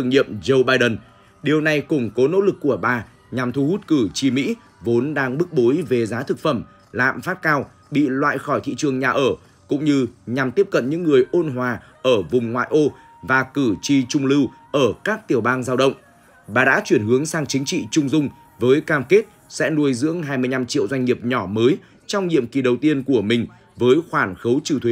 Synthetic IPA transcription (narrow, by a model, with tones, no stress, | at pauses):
ɨ˨əŋɲḭ˧˨əmzo˧wɓaː˧jɗə˨˩n | ɗi˨˩əwna˨˩jkʊ˨˩ŋ͡mko˨˦no̰˧˥lɨ˨˩kːu˧˩əɓaː˨˩ | ɲa˨˩mt̪ʰu˧hu˦˥t̚kɨ˧˩t͡ɕi˧˩mḭ˧˥ | vo˨˦nɗaː˧ŋɓɨ˦˥k̚ɓo˨˦jve˨˩zaː˨˦t̪ʰɨ˨˩k̚fə˧˩m | la̰ː˧˨mfaː˦˥t̚kaː˧w | ɓḭ˧˨lwa̰ː˧˨jxɔ˧˩jt̪ʰḭ˧˨t͡ɕɨ˨˩əŋɲaː˨˩ʔəː˧˩ | kʊ̰˧˥ŋ͡mɲɨ˧ɲa˨˩mt̪i˦˥əp̚kə̰˧˨nɲɨ̰˧˥ŋːɨ˨˩əjʔo˧nɦwaː˨˩ | ʔəː˧˩vʊ˨˩ŋ͡mŋwa̰ː˧˨jʔo˧ | vaː˨˩kɨ˧˩t͡ɕi˧t͡ɕʊ˧ŋ͡mlɨ˧wʔəː˧˩kaː˦˥k̚t̪i˨˩əwɓaː˧nzaː˧wɗə̰˧˨wŋ͡m | ɓaː˨˩ɗa̰ː˧˥t͡ɕwi˧˩ənɦɨ˨˦əŋsaː˧ŋt͡ɕï˨˦ŋ̟t͡ɕḭ˧˨t͡ɕʊ˧ŋ͡mzʊ˧ŋ͡m | vəː˨˦jkaː˧mke˦˥t̚ | sɛ̰˧˥nu˧əjzɨ̰˧˥əŋɦaː˧jmɨ˧əjɲa˧mt͡ɕḭ˧˨əwzwa˧jŋ̟ːi˨˩əp̚ɲɔ˧˩məː˨˦j | t͡ɕɔ˧wŋ͡mɲḭ˧˨əmki˨˩ɗə˨˩wt̪i˧ənku˧˩əmï˨˩ŋ̟ | vəː˨˦jxwaː˧˩nxə˨˦wt͡ɕi˧˩wt̪ʰwe˨˦